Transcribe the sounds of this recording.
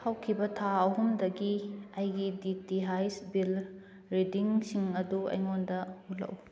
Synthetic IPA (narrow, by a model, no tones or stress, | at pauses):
hawkʰibɐtʰaɐɦumdɐɡiɐjɡiditiɦajsbil | ɾidiŋsiŋɐduɐ̰jŋondɐulɐ̰ʔu